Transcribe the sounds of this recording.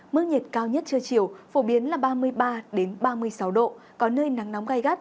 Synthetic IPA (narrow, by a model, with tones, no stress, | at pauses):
mɨ˦˥ɲi˨˩t̚kaː˧wɲə˦˥t̚t͡ɕɨ˧ət͡ɕi˧˩əwfo˧˩ɓi˨˦ənlaː˨˩ɓaː˧mɨ˧əjɓaː˧ɗe˨˦nɓaː˧mɨ˧əjsa˨˦wɗo̰˧˨ | kɔ˨˦nəː˧jna˨˦ŋna˨˦wŋ͡mɣa˧˩jɣa˦˥t̚